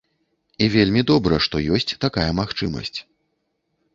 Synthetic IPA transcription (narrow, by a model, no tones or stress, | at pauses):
ivʲelʲmʲid̪ɔbɾɐʂt̪ɔjɔsʲt͡sʲt̪akajɐmaxt͡ʂɨmɐ̰sʲt͡sʲ